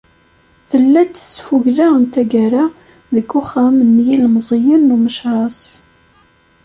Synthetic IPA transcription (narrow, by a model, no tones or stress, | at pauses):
θəlːæt͡sːə̥sfuʝðaənt̪æɡæɾa | ðəkːuχæmənːjilmzˤijənːuməʃʕɑsˤ